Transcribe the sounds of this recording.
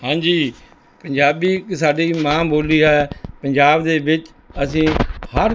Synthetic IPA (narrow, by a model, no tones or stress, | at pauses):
hãːɲd͡ʒiː | pəɲd͡ʒaːbiːsaːɖiːmãːboːliːɦɛːpəɲd͡ʒaːbd̪eːʋɪt͡ʃ | əsĩːhəɾ